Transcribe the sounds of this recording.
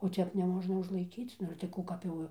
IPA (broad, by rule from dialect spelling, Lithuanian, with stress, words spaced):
oː ˈtʲɛp nʲɛˈmoːʒnɐ ʊʒlˠɐɪˈkʲiːt͡s ˈnʊ ɪr tɐɪ ˈkuː kɐp ˈjɛʊ